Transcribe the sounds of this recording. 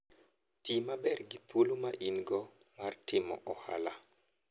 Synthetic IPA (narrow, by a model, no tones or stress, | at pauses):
timabɛrɡipʰolomaʔinɡɔ | ŋartɪmɔ̰ʔɔha̰la